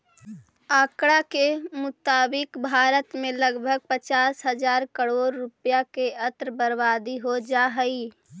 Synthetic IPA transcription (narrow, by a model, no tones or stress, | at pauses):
aːkɽakemʊt̪aːbɪkbʱaːɾət̪mẽləɡbʱəɡ̚pət͡ʃaːsɦəd͡ʒaːɾkəɽoːɾːʊpjakeət̪ɾəbəɾbaːd̪iɦod͡ʒaɦəi